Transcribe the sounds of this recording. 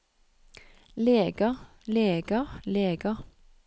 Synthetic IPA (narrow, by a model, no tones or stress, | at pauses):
leːɡɑ | leːɡɑleːɡɑ